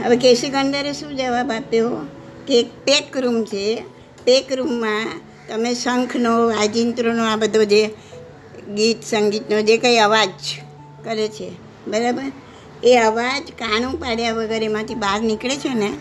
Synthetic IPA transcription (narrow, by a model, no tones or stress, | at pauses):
ɦəʋekesikəɳɖəɾeʃũd͡ʒəʋabapjo | kek̚pekɾumt͡ʃʰe | pekɾumːã | t̪əmesəŋkʰnoʋad͡ʒint̪ɾonoabəd̪ʱod͡ʒe | ɡit̪səŋɡit̪nod͡ʒekəiəʋad͡ʒ | kəɾet͡ʃʰe | bəɾabəɾ | eəʋad͡ʒkaɽ̃ũpaɽjaʋəɡəɾemãt̪ʰibaɾnikɭet͡ʃʰene